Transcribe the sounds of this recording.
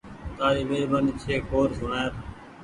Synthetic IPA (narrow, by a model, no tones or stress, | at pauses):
t̪aːɾiːʋeːbənt͡ʃʰeːkʰoːɾsʊɳaːɾ